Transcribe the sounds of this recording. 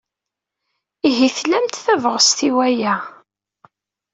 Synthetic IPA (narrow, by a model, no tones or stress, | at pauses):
iɦiθlæmt̪θævəʁəst̪iwæjæ